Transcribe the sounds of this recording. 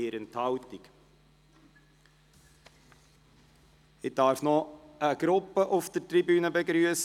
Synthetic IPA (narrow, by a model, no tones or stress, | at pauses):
eːɾənthɑʊtik | ɪd̥ɑːɾfnɔəɡ̥ɾʊpːəʔʊfd̥̪ətribyːnəbɛɡɾyəs